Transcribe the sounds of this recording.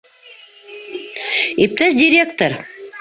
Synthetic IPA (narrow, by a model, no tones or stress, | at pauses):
ip̚t̪øsd̪ʲiɾʲek̚t̪oɾ